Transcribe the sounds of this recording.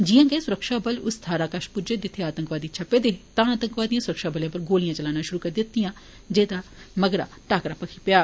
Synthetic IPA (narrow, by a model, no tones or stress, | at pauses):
d͡ʒɪjãːɡesʊɾəkʃaːbəlʊst̪ʰaːɾaːkaʃpʊd͡ʒeːd̪ɪt̪ʰːeaːt̪əŋkʋaːd̪iːt͡ʃʰəpeːd̪eːt̪ãːaːt̪ə̃ŋkʋaːd̪ijãːsʊɾəkʃaːbəljãːpəɾɡoːlɪjãːt͡ʃəlaːnaːʃʊɾuːkəɾd̪ɪt̪ːijãː | d͡ʒeːd̪aːməɡɾa̰ːʈaːkɾaːpəkʰiːpɪjaː